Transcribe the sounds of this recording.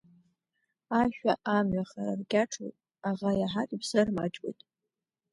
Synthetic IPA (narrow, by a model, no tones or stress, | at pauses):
aʃᶣʷaʔamɥaχaɾarɡʲaʈ͡ʂʰo̰jtʼ | aʁajaħakʲʼipsɨrmat͡ʃʼwḛjtʼ